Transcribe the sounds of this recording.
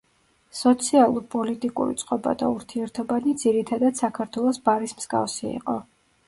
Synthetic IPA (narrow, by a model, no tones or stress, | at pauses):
sɔt̪sʰialˠuɾpʼɔlit̪ʼikʼṵɾḭt̪sʼqʼɔba̰d̪a̰uɾt̪ʰiɛɾt̪ʰɔbanid̪ziɾit̪ʰad̪ad̪̥sakʰaɾt̪ʰwɛlˠɔsbaɾismz̥ɡa̰fsiḭqʼɔ